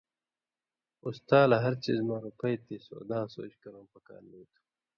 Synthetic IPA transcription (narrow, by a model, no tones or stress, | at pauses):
ust̪aːlaɦɐɾt͡ɕḭːzmãːɾupɐjt̪iːso̰ːd̪ãːso̰ːt͡ɕkɐɾõːpɐka̰ːɾnuːt̪ʰu̥